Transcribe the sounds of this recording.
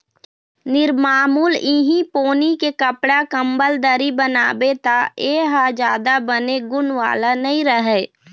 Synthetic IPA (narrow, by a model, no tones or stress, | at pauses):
nɪɾmaːmuːliɦipoːnikekəpɽakəmbəld̪əɾibənaːbet̪aeːɦad͡ʒaːd̪abəneɡʊnʋa̰ːlanəĩɾəɦɛ